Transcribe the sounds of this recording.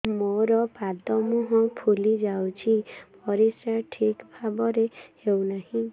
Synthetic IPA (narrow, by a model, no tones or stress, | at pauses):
moɾɔpad̪ɔmuɦɔ̃pʰulid͡ʒawt͡ʃʰipɔɾisɾaʈʰikbʱabɔɾehewnaɦĩ